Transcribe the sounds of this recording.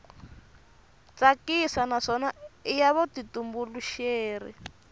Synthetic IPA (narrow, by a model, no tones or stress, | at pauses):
t͡sakisanaʂɔnaijaβɔtitumbuluʃeːrḭ